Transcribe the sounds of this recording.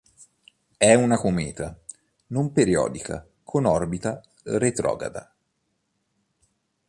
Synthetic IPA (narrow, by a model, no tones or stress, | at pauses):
ɛunakomɛːt̪a | nompeɾiɔ̰ːd̪ikʰa̰ | kʰonɔrbit̪a | ret̪ɾɔ̰ːɡa̰d̪a̰